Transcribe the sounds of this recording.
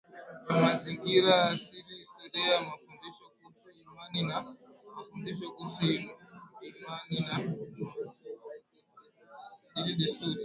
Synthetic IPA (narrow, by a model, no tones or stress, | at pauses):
jamaziŋɡiɾasiɾistɔɗiamafundiʃɔkusuiɾmanina | mafundiʃɔkusuɡɛɾumanina | dilidistuɾi